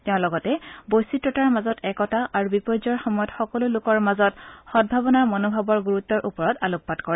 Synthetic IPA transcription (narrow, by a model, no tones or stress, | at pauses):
tɛʊ̃lɔɡɔtɛbojsitɹɔtaɹmazɔtɛkɔtaʔaɹubipɔzɔɹxɔmɔjɔtxɔkɔlʊlʊkɔɹmazɔtxɔd̚bʱabɔnaɹmɔnobʱabɔɹɡuɹutːɔɹʔupɔɹɔtalupːatkɔɹɛ